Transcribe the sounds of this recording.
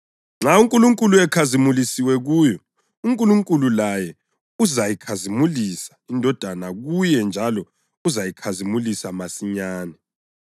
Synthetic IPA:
ŋ͡ǁauŋkʼuluŋkʼuluɛkʰazimulisiwɛɣujɔ | uŋkʼuluŋkʼululajɛ | uzajikʰazimulisḁindʱɔd̥ʱanaɣujɛnd͡ʒʱalɔ | uzajikʰazimulisamasiɲaːnɛ

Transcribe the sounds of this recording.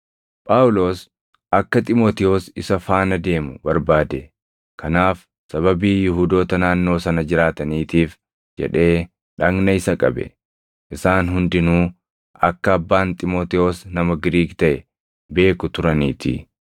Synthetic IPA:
pʼaːʊlo̞ːs | ʔɐkːɐt̪ʼɪmoːt̪ɪo̞ːsɪsɐfaːnɐd̪e̞ːmʊbɐɾbaːd̪ɛ | kʰɐnaːf | sɐβɐbiːjʊɦuːd̪o̞ːt̪ɐnaːnːo̞ːsɐnɐd͡ʒɪɾaːt̪ɐniːt̪iːf | d͡ʒɛ̰ᶑe̞ː | ᶑɐɡnɐɪsɐkʼɐ̰bɛ̰ | ʔɪsaːnɦʊnd̪ɪnuː | ɐkːɐːbːaːnt̪ʼɪmo̞ːt̪ɪo̞ːsnɐmɐɡɪɾiːɡt̪ɐʔɛ | be̞ːkʊt̪ʊɾɐniːt̪ʰɪ̰

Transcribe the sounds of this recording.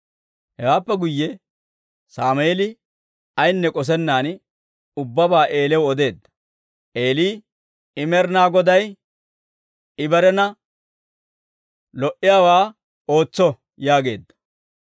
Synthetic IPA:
hɛwaːpːɛɡʊjːɛ | saːmeːlɪ | ɐjnːɛkʼɔs̬ɛnːaːn | ʊbːɐbaːʔe̞ːlɛwɔd̪e̞ːd̪ːɐ̥ | ʔeːliː | ɪmɛɾnaːɡɔd̪ɐj | ɪbɛɾɛnɐ | lɔʔɪjaːwaː | o̞ːt͡sːɔ | jaːɡe̞ːd̪ːɐ̥

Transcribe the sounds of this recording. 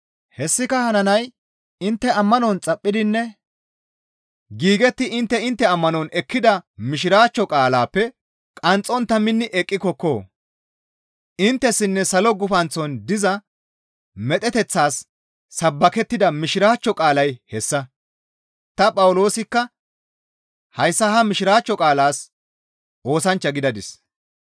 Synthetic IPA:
hɛsːɪkɐhɐnɐnɐj | ɪnt̪ːɛɐmːɐnɔnt͡sʼɐpʼːɪd̪ɪnːɛ | ɡiːɡɛt̪ːɪʔɪnt̪ːɛɪnt̪ːɛɐmːɐnɔnɛkːɪd̪ɐmɪʃ̬ɪɾaːt͡ʃːɔkʼaːlaːpːɛ | kʼɐnt͡sʼɔnt̪ːɐmɪnːɪʔɛkʼːɪkɔkːoː | ɪnt̪ːɛsːɪnːɛsɐlɔɡʊfɐnt͡sɔnd̪ɪzɐ | mɛt̪ʼɛt̪ɛt͡sːaːsː | ɐbːɐkɛt̪ːɪd̪ɐmɪʃɪɾaːt͡ʃːɔkʼaːlɐjhɛsːɐ | t̪ɐpʼɐwʊlo̞ːsɪkːɐ | hɐjsːɐɦɐmɪʃɪɾaːt͡ʃːɔkʼaːlaːs | ʔo̞ːsɐnt͡ʃːɐɡɪd̪ɐd̪ɪs

